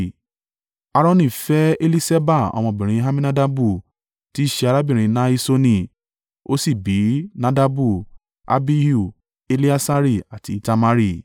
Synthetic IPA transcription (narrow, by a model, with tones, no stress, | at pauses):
a˧ɾɔ̃˦nĩ˨fɛ˦e˦li˦se˦ba˦˨ɔ̰˧mɔ̃˧˨bĩ˨ɾ̃ĩ˧ɦa˦mĩ˦nã˦da˦bu˦˨ | ti˨˦˨ʃeɛ˧a˧ɾa˦bĩ˦˨ɾ̃ĩ˧nã˦i˦so˦nĩ˦˨ | o˦si˦˨bi˨˦nã˦da˦bu˦ | a̰˦bi˦ju˦˨ | e˧li˦a˦sa˦ɾi˦˨a˨ti˨˦ta˧ma˦ɾi˦˨